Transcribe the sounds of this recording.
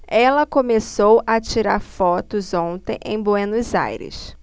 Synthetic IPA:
ɛlɐkõmesowɐt͡ʃiɾaɾfɔt̪ʊzõnt̪ẽj̃ʔẽj̃bwenʊza̰jɾɪ̰s

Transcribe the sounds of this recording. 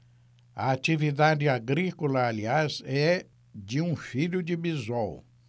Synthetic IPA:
ɐ̰at͡ʃivid̪ad͡ʒɪaɡɾikolɐaliazɛ | d͡ʒɪũfiʎʊd͡ʒɪbizɔw

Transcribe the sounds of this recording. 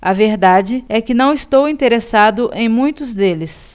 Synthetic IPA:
ɐveɾd̪ad͡ʒɪɛkɪnɐ̃w̃ist̪owĩnt̪eɾesad̪ʊʔẽj̃mũj̃t̪ʊzd̪elɪs

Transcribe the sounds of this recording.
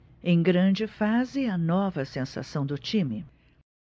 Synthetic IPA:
ẽj̃ɡɾɐ̃d͡ʒɪfazɪɐnɔvɐsẽsa̰sɐ̃w̃d̪ʊt͡ʃĩmɪ

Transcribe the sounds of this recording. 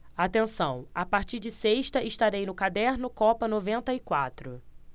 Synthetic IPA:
at̪ẽsɐ̃w̃apaɾt͡ʃiɾd͡ʒɪseʃt̪ɐʔɪʃt̪aɾejnʊkad̪ɛɾnʊkɔpɐnovẽnt̪ɐɪkwat̪ɾʊ

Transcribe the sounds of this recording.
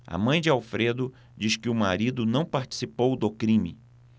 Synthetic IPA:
a̰mɐ̃j̃d͡ʒɪawfɾed̪ʊ | d͡ʒiʃkɪʊma̰ɾid̪ʊnɐ̃w̃paɾt͡ʃi̥sipowd̪ʊkɾĩmɪ̰

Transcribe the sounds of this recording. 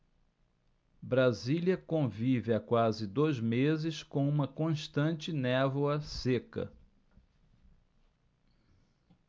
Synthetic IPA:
bɾaziljɐkõvivɪakwazɪd̪ojzmezɪskõũmɐkõʃt̪ɐ̃nt͡ʃɪnɛvoɐsekɐ̰

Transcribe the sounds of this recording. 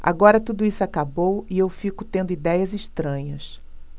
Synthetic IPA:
a̰ɡɔɾɐt̪ud̪ʊisʊakabowiewfikʊt̪ẽnd̪ʊid̪ɛjɐziʃt̪ɾɐ̃ɲɐs

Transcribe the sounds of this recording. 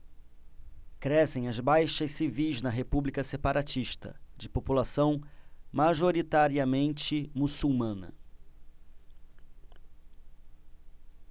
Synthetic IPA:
kɾɛsẽj̃ɐzbajʃɐssivijznɐɦepublikɐsepaɾʔat͡ʃiʃt̪ɐ̰d͡ʒɪpopulasɐ̃w̃maʒoɾit̪aɾiɐmẽnt͡ʃɪmusuwmɐ̃nɐ̰

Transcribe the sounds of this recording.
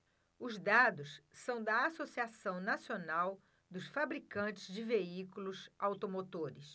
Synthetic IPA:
ʊzd̪ad̪ʊssɐ̃w̃d̪ɐasosiasɐ̃w̃nasionaw | d̪ʊsfabɾikɐ̃t͡ʃɪzd͡ʒɪveikulʊsawt̪omot̪oɾɪs

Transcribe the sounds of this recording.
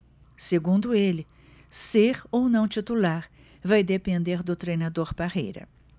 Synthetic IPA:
seɡũnd̪ʊelɪ | seɾownɐ̃w̃t͡ʃit̪ulaɾ | vajd̪epẽnd̪eɾd̪ʊt̪ɾejnad̪oɾpahḛjɾɐ̰

